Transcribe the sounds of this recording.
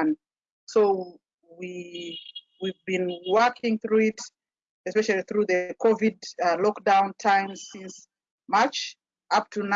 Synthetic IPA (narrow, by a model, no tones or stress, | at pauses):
n | soʊ | wi | wivbĩnwɜ˞kʰɪ̃ŋθɹuɪt | ɛspɛʃalˠiθɹuðɨkʰɔvidlɔkdãʊ̃ntʰãɪ̃mzsɪ̃ns | mat͡ʃ | ʔap̚tʰun